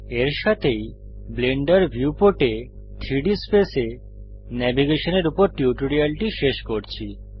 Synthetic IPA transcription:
eɾʃat̪ʰej | bleɳɖaɾbʱjuupoʈe | t̪ʰɾiɖispese | nɛbiɡeʃoneɾupoɾʈiuʈoɾialʈiʃeʃkoɾt͡ɕʰi

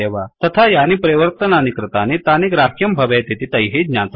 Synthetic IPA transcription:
eʋat̪ɐt̪ʰajanipɾeʋəɾt̪ənanikɾɨt̪anit̪anikɾakʰjəmbʱɐʋet̪it̪ʰit̪ɐjɦed͡ʒnat͡s

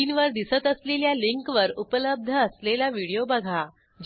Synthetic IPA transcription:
iːnʋəɾd̪isət̪əsleljaliŋkʋəɾupələb̚d̪ʱəːslelaʋiɽijobəɡʱa | d͡ʑ

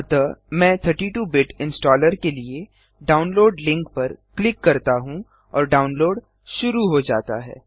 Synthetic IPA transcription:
t̪əmɛ̃ːt̪ʰəɾʈiʈuːbɪʈɪ̃nsʈɔːləɾkelie | ɖaːʊnloːɖlɪ̃ŋk̚pɐɾklɪkːɐɾt̪aɦũ | ɔːɾɖaːʊnloːɖ | ʃʊɾuɦod͡ʒa̰ːt̪a̰ɦɛ̰ː

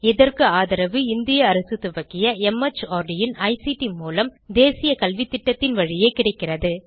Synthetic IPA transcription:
ɪðɐrkɯaːðɐɾɐʋɯɪnd̪ɪjɐːɾɐsɯt̪ɯʋɐkːɪjɐɛmɐt͡ʃːaːɾɖɪjɪnɐɪsiʈimuːlɐmd̪eːsɪjɐkɐlʋɪt̪ːɪʈːɐt̪ːɪnʋɐɻɪjeːkɪɽɐɪkːɪrɐðɯ

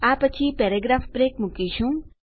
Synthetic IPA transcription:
apət͡ʃʰipeɾeɡɾaːfpɾeːkmukiʃũ

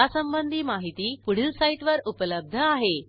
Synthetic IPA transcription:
asəmbənd̪ʱiːmaɦit̪iːpuɽ̤ilsaiʈʋəɾupələb̚d̪ʱəaɦe

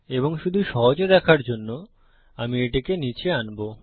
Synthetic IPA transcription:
eboŋʃud̪ʱuʃɔɦod͡ʑed̪ɛkʰaɾd͡ʑonːo | amieʈikenit͡ɕʰeanbo

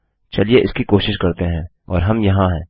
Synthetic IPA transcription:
t͡ʃɐlieʔɪskikoːʃɪʃkɐɾt̪eɦɛ̃ː | ɔ̰ːɾɦɐmjɐɦãɦɛ̃ː

